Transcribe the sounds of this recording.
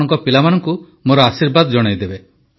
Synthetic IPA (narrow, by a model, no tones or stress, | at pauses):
ɔŋkɔpilamanɔŋku | moɾɔasiɾbad̪ɔd͡ʒɔɽ̃ɔjd̪ebe